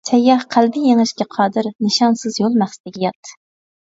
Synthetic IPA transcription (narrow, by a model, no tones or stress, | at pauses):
t͡ʃ̪ʰɛjːɑhqʰælbɪjeŋɨʃkʲɛqʰɑːd̪ɨɾnɨʃɑnsɨzjolˠmæχsɪd̪ɪɡʲɛjɑt̪ʰːɨ̥